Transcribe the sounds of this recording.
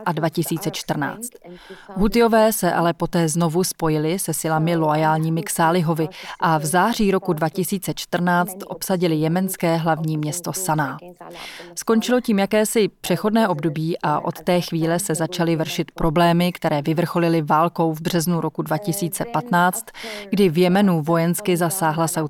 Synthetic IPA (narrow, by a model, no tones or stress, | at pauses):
ʔadvacɪsiːt͡sɛt͡ʃt̪r̩na̰ːt͡st̪ɦut̪ɪo̞vɛːsɛʔa̰lɛpo̞t̪ɛːzno̞vuspo̞jɪlɪsɛsɪlamɪloajaːlɲiːmɪksaːlɪɦo̞vɪʔavzaːr̝iːɾo̞kudvacɪsiːt͡sɛt͡ʃt̪r̩naːt͡st̪ʔo̞psaɟɪlɪjɛmɛnskɛːɦlavɲiːmɲɛst̪o̞sanaː | sko̞nt͡ʃɪlo̞ciːmjakɛːsɪpr̝̥ɛxo̞dnɛːʔo̞bdo̞biːʔaʔo̞̰t̪t̪ɛːxviːlɛsɛzat͡ʃalɪvr̩ʃɪt̪pɾo̞blɛːmɪkt̪ɛɾɛːvɪvr̩xo̞lɪlɪvaːlko̞wvbrɛznuɾokudvacɪsiːt͡sɛpat̪naːt͡st̪ɡdɪvjɛmɛnuvo̞jɛnskɪzasaːɦlasaw